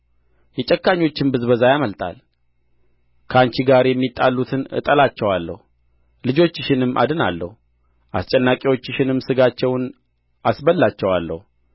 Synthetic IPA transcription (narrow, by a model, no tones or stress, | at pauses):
jɛt͡ʃʼɛkːaɲːo̞t͡ʃːɪnbɨzbəzajaməlt̪ʰʼa̰l | kʰəaɲt͡ʃiɡaɾjɛmːit̪ʼːalːut̪ʰɨnʔɨ̰t̪ʼəlat͡ʃːɛwalːə̰hu | lɨd͡ʒo̞t͡ʃːɪʃɪnɨmːʔa̰d̪ɨna̰lːə̰hu | ʔa̰st͡ʃʼɛnːakʼiwo̞t͡ʃːɪʃɪnɨmːsɨɡat͡ʃːɛwn | ʔasbəlːat͡ʃːɛwalːə̰hu